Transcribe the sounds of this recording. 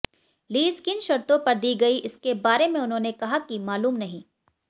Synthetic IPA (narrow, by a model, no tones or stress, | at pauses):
liːskɪnʃɐɾt̪õpɐɾd̪iːɡɐiʔɪskebaːɾemẽʊnɦõːnekɐɦakimaːluːmnɐɦĩː